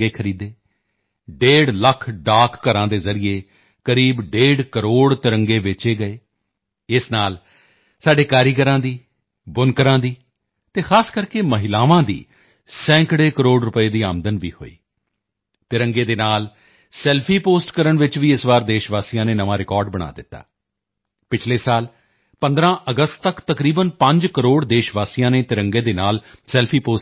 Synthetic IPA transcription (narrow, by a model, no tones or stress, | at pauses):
ɡeːkʰəɾiːd̪eː | ɖeːɽləkʰɖaːkːəɾãːd̪eːzəɾieː | kəɾiːbɖeːɖkəɾoːɽt̪ɪɾəŋɡeːʋɪt͡ʃeːɡəeː | ɪsnaːl | saːɖeːkaːɾiːkəɾãːd̪iː | bʊnkəɾãːd̪iː | t̪eːxʰaːskəɾkeːməɦɪlaːʋãːd̪ḭː | sɛ̃ːkɽeːkəɾoːɖɾʊpəeːd̪iːa̰ːmd̪ənʋḭːho̰ːḭː | t̪ɪɾəŋɡeːd̪eːnaːl | sɛːlpʰiːpoːsʈkəɾəɳʋɪt͡ʃʋiːɪsʋaːɾd̪eːʃʋaːsiːjãːneːnəʋãːɾɪkɔːɾɖbəɽ̃a̰ːd̪ɪt̪ːa̰ː | pɪt͡ʃʰleːsaːl | pənd̪ɾãːʔəɡəst̪t̪əkt̪əkɾiːbənpəɲd͡ʒkəɾoːɽd̪eːʃʋaːsijãːneːt̪ɪɾəŋɡeːd̪eːnaːlsɛːlpʰiːpoː